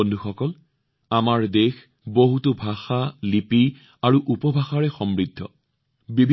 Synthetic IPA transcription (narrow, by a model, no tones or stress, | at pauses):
ondʱuxɔkɔl | amaɹdex | boɦutʊbʱaxalipi | aɹuʔupɔbʱaxaɹɛxɔmɹidʱːɔ̰ | bibʱ